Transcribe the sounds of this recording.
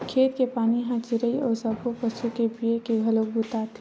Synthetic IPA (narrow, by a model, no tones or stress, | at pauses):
kʰeːd̪kepaːniɦãt͡ʃɪɾəiɔːɾsəbʱopəsukebiekeɡʱɐlokbut̪at̪ʰ